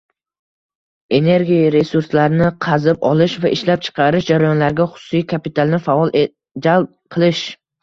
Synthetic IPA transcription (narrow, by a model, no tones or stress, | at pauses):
e̞ne̞ɾɡʲiɾe̞suɾslaɾnɪqʰɑzɪpɒlˠɪʃvaʔɪʃlap̚t͡ʃʰɨ̥qʰɑɾɪʃd͡ʒaɾajɒnlaɾɡʲaχʊ̥sʊ̥sijkʲʰapɪt̪ʰalˠnɪfaɒlˠ | d͡ʒalp̚qʰɨlˠɪʃ